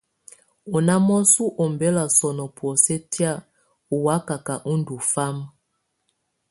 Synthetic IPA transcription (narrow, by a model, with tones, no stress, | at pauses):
ɔ˨na˦mɔ˦su˦ʔɔ˨m˨bɛ˦la˨sɔ˨nɔ˨pwɔ˨sɛ˦tja˦˨ | u˨wa˦ka˨ka˨ʔu˦ndu˨fa˦m˦